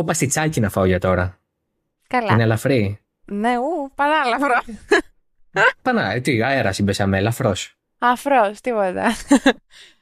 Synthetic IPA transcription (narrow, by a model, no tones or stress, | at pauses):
opɐst̪it͡sɐcinɐfɐoʝɐt̪o̞ɾɐ | kɐlinelɐfɾi | neupɐðɐlɐfɾo | pɐnɐet̪iɐeɾɐsibesɐmelɐfɾos | ɐfɾost̪ipot̪ɐ